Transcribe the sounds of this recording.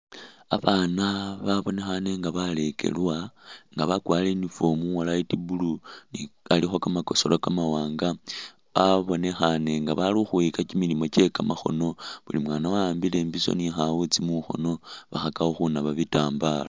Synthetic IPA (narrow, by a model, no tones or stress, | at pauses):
aβaːnaβaβo̞ne̞xane̞ŋɡaβale̞kʰe̞̰lwaŋɡaβakwaːlenifo̞mualaitibulunialixokamako̞so̞lokamawaːŋɡa | βaβo̞ne̞xane̞ŋɡaβaluxuikacimilimo̞t͡ʃe̞kamaxo̞̰no̞βulimwaːnawaːmbile̞ːmbiso̞̰nixaut͡simuxo̞̰no̞βa̰xakaoxunaβaβitaːmbala